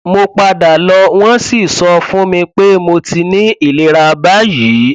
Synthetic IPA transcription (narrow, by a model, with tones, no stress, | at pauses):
mo˧k͡pa˧da˨lɔ˧w̃ɔ̃˦si˦˨sɔ˧fũ˦mĩ˧k͡pe˦mo˧ti˧nĩ˦i˦˨le˨˦ɾa˧ba˦ji˨˦